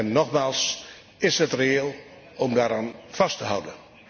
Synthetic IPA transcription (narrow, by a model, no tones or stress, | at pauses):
ɛnːɔχmaːlˠs | ɪsɦətreeːlˠ | ɔmdaːɾaːnv̥ɑstəɦʌwdən